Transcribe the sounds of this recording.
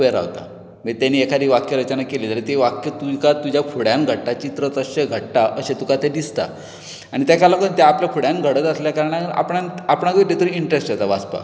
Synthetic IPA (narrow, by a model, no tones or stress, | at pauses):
ʋeɾa̰ʋt̪a̰ | mit̪janiːekʰaɾiːʋakjəɾət͡ɕənakelet̪əɾet̪eʋakjət̪ukat̪ud͡ʑjafʰuɽjanɡʱəɽʈat͡ɕit̪ɾət̪əɕeɡʱəɽʈaʔəɕẽt̪ukat̪ed̪ist̪a̰ | anit̪jakalakənt̪eapljafʰuɽjanɡʱəɽət̪əsljakaɾəɳ̃aa̰pɳanapɳakəʈ̪et̪əɾiiɳʈɾesʈjet̪abaspa̰